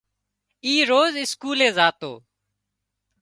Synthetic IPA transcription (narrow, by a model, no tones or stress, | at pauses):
iːɾoːzɪskuːlẽːzaːt̪o̰ː